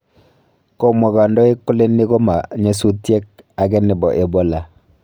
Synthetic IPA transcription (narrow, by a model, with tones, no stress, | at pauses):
kɔ˦mɔ˨ɣa˨ndɔ˦e˦kːʊ˦le˦nːɪ˦ɡo˦ma˨ɲe˦s̬u˦tjɛ˦k̚ | a˨ɡɛ˦nɪ˨bɔ˨ʔe˨bo˦la˨